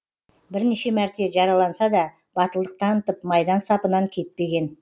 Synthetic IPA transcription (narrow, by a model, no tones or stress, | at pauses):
bɪɾneʃe̞mæɾt̪e̞ʒɑɾɑlˠɑnsɑd̪ɑ | b̥ɑt̪əlˠd̪əq̚t̪ʰɑnət̪əpmɑjd̪ɑnsɑpənɑŋkʲʰe̞t̪̚pe̞ɡʲe̞n